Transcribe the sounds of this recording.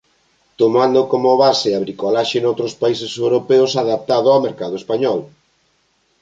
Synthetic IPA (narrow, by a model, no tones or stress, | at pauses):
t̪omand̪okomʊβaseaβɾikolaʃenowt̪ɾospaisesewɾopɛʊsaðap̚t̪aðʊawmeɾkaðoespaɲɔl